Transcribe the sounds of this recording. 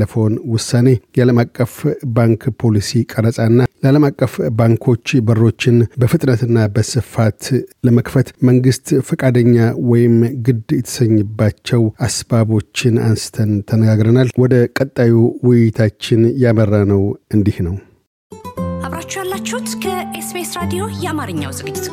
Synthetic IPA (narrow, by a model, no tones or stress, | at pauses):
ləfownwʊsːane̞jaləmakʼːəfbaŋkpʰo̞lisikʼəɾəsʼanːaləaləmakʼːəfbaŋkʰo̞t͡ʃːbərːo̞t͡ʃːɪnbəfɨt̪ʼnət̪ɨnːabəsɨfat̪ləməkfət̪məŋɡɨst̪fəkʼad̪əɲːawɔjɪmɡɨd̪jɛt̪ʰə̥səɲːɨbːat͡ʃːɛwasbaβo̞t͡ʃːɪna̰nsɨ̥t̪ʰənt̪ʰənəɡaɡɾənalwɔd̪əkʼət̪ʼːajuwʊjːɪt̪ʰat͡ʃːɪnjamərːanəwɨnd̪ihnəw | ʔaβɾat͡ʃːujalːat͡ʃːhut̪kʰəʔesbesɾad̪ijo̞jɛamaɾɨɲːa̰wzɨɡɨd͡ʒɪt̪